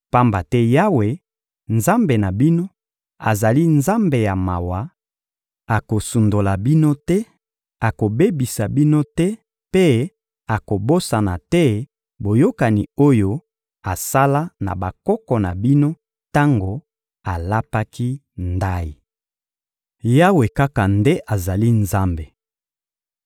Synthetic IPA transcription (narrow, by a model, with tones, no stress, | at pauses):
pa˦mba˨tɛ˦ja˦we˨ | nza˦mbe˨na˨bi˦no˦ | a̰˨za˨li˦nza˦mbe˨ja˨ma̰˨wa˨˦ | a˨ko˨su˨ndo˨la˨bi˦no˦tɛ˦ | a˨ko˨be˦bi˨sa˨bi˦no˦tɛ˦ | pe˦ | a˨ko˨bo˦sa˨na˨tɛ˦ | bo˨jo˦ka˨ni˨o˦jo˦ | a˨sa˦la˦na̰˨ba˨kɔ˦kɔ˨na˨bi˦no˦ | ta˦ŋɡo˨ | a˨la˦pa˦ki˦ | nda˦i˨ | ja˦we˨ka˦ka˨nde˦ʔa˨za˨li˦nza˦mbe˨